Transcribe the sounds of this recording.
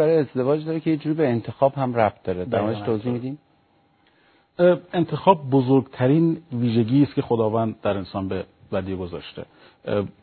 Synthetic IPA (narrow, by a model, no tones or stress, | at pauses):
æɾɒjeezd̪e̞vɒːd͡ʒd̪ɒɾekʲʰejed͡ʒuːɾibeːnt̪ʰexɒːbhæmræb̪̚d̪ɒːɾed̪æɾmɔd̪eʃt̪ʰoːziːhmid̪im | e̞nt̪ʰe̞xɒːb̚ːozoɾɡt̪ʰæɾiːnviːʒeɟiːst̪kʲʰe̞xod̪ɒːvænd̪d̪æɾensɒːnbe | væd̪iːeɡozɒ̰ːʃt̪ḛ